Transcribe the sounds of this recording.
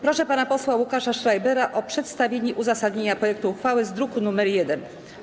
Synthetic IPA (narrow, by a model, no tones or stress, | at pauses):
pɾɔʂɛpanapɔswawukaʂaʂɾajbɛɾaʔɔpʂɛt̪st̪avʲjeɲɛʔuzasad̪ɲeɲapɾɔjɛk̚t̪uːxfawɘzd̪ɾukunumɛɾjɛd̪ɛn